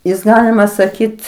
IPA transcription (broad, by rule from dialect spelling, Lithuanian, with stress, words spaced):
ˈjɪs ˈɡɑːlʲɪmɐ sɐˈkʲiːt